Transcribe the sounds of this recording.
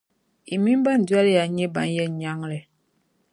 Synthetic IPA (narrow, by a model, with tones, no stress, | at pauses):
i˨mi˦m˦ba˦˨n̩˨dwa˦lja˨ɲɛ˦ba̰˨˦n˦jɛ˦˨ɲa˦ŋ˦lɛ˨